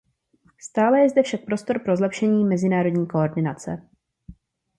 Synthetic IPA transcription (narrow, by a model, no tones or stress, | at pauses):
st̪aːlɛjɛzdɛfʃak̚pɾo̞st̪o̞ɾpɾo̞zlɛpʃɛɲiːmɛzɪnaːɾo̞dɲiːko̞oɾdɪnat͡sɛ̰